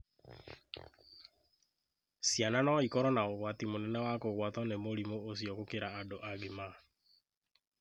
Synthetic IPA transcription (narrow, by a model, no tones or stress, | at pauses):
sjananɔikɔɾɔnaoɣwatimonɛnɛwakoɣwatɔnemoɾimoos̬jɔkokeɾaːdoʔaɡema